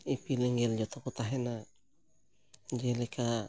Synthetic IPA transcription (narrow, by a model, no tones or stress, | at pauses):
ipileŋɡeld͡ʒot̪okot̪aɦena | d͡ʒelekʰa